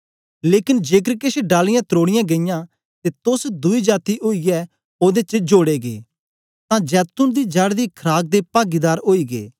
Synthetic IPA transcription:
leːkɪnd͡ʒeːk̬ɾkɪʃeɖaːlɪjãːt̪ɾoːɽɪjãɡeɪjã | t̪et̪ʊsd̪ʊid͡ʒaːt̪iʔoːijɛ | oːd̪et͡ʃəd͡ʒoːɽeːɡḛː | t̪ãd͡ʒɛːt̪ʊnd̪id͡ʒaːɽd̪ikʰɾaːɡ̚d̪epaːɡid̪aːɾoːiːɡḛː

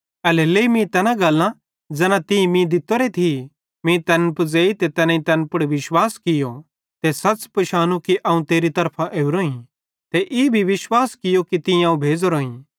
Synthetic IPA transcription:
ɐleleimĩt̪ɛːnãɡɐlːã | d͡zɛnãt̪ɪ̃ĩmĩd̪ɪt̪oɾet̪ʰi | mĩt̪ɐnpd͡zeːit̪et̪ɛnãĩt̪ɐnpʊɽʋɪʃwaːskɪjo | t̪esɐspɐʃaːnũkiʔɐũt̪eːɾit̪ɐɾpʰãʔeːuɾoːĩ | t̪eʔɪbʱiʋɪʃwaːskɪjokit̪ɪ̃ãũbʱeːd͡zoɾoːĩ

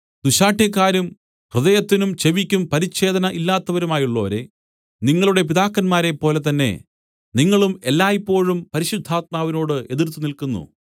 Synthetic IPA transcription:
d̪̥uɕaːʈʰjɐkːaːɾum | prɨðɐjɐt̪ːinumt͡ɕe̞ʋikʲːumpɐɾit͡ɕːe̞ːd̪ɐnɐʔilːaːt̪ːɐʋɐɾumaːjuɭːo̞ːɾḛ | niŋːɐɭuɽe̞piðaːkːɐnmaːɾe̞pːo̞ːle̞t̪ɐnːe̞̰ | niŋːɐɭume̞lːaːjipːo̞ːɻumpɐɾiɕud̪ʱːaːt̪̚maːʋino̞ːɽɨʔe̞ðirt̪ːunilkunːṵ

